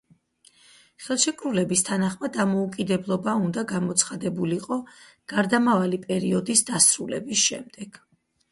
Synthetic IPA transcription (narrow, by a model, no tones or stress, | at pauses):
χɛlˠʃɛkʰʼɾulɛbist̪ʰanaχmad̪ːamɔukʼid̪ɛblˠɔbaund̪aɡamɔt̪sʰχad̪ɛbuliqʼɔ | ɡ̥aɾd̪amavalipʼɛɾiɔd̪isd̪asɾulɛ̰bisʃɛ̰md̪̥ɛɡ̥